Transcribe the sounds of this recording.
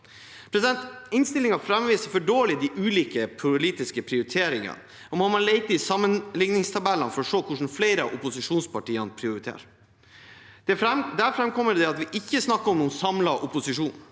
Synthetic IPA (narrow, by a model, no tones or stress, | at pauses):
pʰɾɛsɪd̪ɛnt̪ɪnst̪ɪlɪŋɑfɾɛmʋiːsəɾfɔɖoːlɪd̪iʔʉːliːkəpʰʊliːt̪ɪskəpʰɾɪʊɾɪt̪ʰeːɾɪŋɑ̰n | ɔmɔnmɑnleɪt̪əɪsɑmːənlɪŋnɪŋst̪ʰɑbɛlːənfɔɾɔʂoːkʰʊʂn̩fleɪɾəʔʊpʊsɪʂuːnspɑʈiːənpʰɾɪʊɾɪt̪ʰḛːɾ | d̪̥ɛɾɛd̪æɾfɾɛmkʰɔmːəd̪ɛɑt̪ʋɪʔɪçːəsnɑkːəɾɔmnuːnsɑmlɑʔʊpʊsɪʂuːn